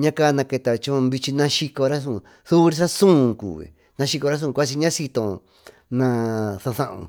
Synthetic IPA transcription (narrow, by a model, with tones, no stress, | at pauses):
ɲã˦ka˦˧nã˧ke˧t̪a˧t͡ʃõ˦βi˧t͡ʃi˧nã˧ʃi˧ko˧ɾa˦s̬ũ˦˧˨ | θu˦˧ɾi˧sa˦sũ˦˨kṵː˨βḭ˨ | nã˧ʃi˧ko˧ɾa˦s̬ũ˦˧kʷa˦s̬i˧ɲã˦si˧t̪õ˧ | nã˧θõ˧θã˧ʔõ̰˧˨